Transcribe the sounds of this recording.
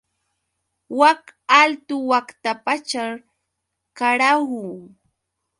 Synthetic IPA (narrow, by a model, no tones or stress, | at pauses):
wakalt̪ʊwakt̪apat͡ʃaɾ | kaɾahu